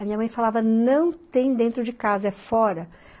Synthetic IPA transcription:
ɐmĩɲɐmɐ̃j̃falavɐnɐ̃w̃t̪ẽj̃d̪ẽnt̪ɾʊd͡ʒɪkazɐɛfɔɾɐ

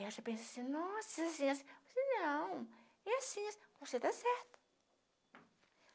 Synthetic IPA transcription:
aʃɐpẽnsɐsĩnɔ̃sias̬ĩassenɐ̃w̃ | ɛasĩɐsvoset̪asɛɾt̪ʊ̥

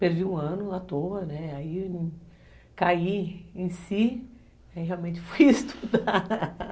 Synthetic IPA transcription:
peɾviũɐ̃nʊat̪oɐnɛai | kaiẽj̃si | aiɦeawmẽnt͡ʃɪ̥fojest̪ʰu̥d̪a

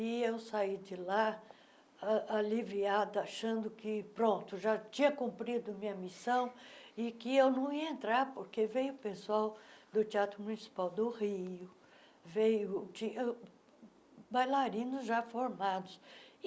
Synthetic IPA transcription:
ɪewsaid͡ʒɪla | aliviad̪ɐaʃɐ̃nd̪ʊkɪpɾõnt̪ʊʒat͡ʃĩɲɐkũpɾid̪ʊɐmĩɲɐmisɐ̃w̃ɪkɪewnɐ̃w̃iɐẽnt̪ɾaɾpoɾkevejʊʊpesuawd̪ʊt̪iat̪ɾʊmunisi̥pawd̪ʊhiʊ | vejʊt͡ʃĩɲɐ | bajlaɾĩnʊzʒafoɾmad̪ʊs

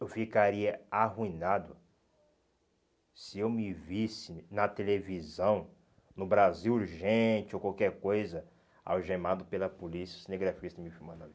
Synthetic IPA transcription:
ewfikaɾiɐaɦuĩnad̪ʊ | sɪewmɪvisɪnɐt̪elevizɐ̃w̃ | nʊbɾaziwuɾʒẽt͡ʃɪokawkɛɾkojzɐ | a̰wʒemad̪ʊpelɐpolisiɐsɪnẽɡɾafikist̪ɐ̃mɪfimɐ̃d̪ɐ̃v

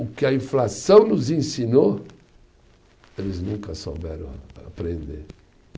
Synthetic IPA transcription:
ʊkɪɐĩflasɐ̃w̃nʊzẽsino | elɪznũŋkɐso̰bɛ̰ɾɐ̃w̃pɾẽnd̪ḛɾ

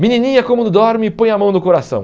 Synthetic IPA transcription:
mininĩɲɐkõmũd̪ʊd̪ɔɾmɪpõj̃ɐmɐ̃w̃nʊkoɾasɐ̰̃w̃

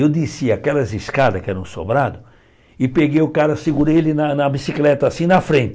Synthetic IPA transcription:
ewd̪isiakɛlɐziskad̪ɐkɪɛɾɐ̃w̃so̰bɾad̪ʊ | ɪpeɡejʊkaɾɐsɪɡuɾelɪnɐnɐbisiklɛt̪ɐasĩnɐfɾẽnt̪

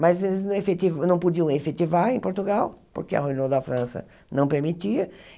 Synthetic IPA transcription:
mɐzelɪznɐ̃efet̪ivnɐ̃w̃pud͡ʒiɐ̃w̃efet̪ivaɾẽj̃poɾt̪uɡawpo̰ɾkeɐ̰hujnod̪ɐfɾɐ̃sɐ̰ | nɐ̃w̃peɾmit̪iɐ

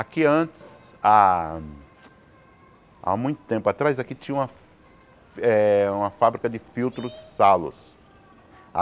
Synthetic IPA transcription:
akiɐ̃t̪ɪ̥s | a | a̰mũj̃t̪ʊ̥t̪ẽmpʊat̪ɾajzakit͡ʃĩɲɐũmɐ | ɛũmɐfabɾikɐd̪ɪfiwt̪ɾʊzsalʊ̰s | a

